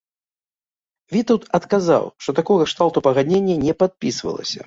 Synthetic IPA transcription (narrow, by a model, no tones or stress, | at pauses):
vʲit̪ɐwt̪ɐt̪kaza̰wʂt̪ɔt̪akɔɣɐʂt̪alˠt̪upɐɣad̪nʲenʲːɐnʲɛpat̪̚pʲisvɐ̰lˠɐ̰sʲɐ̰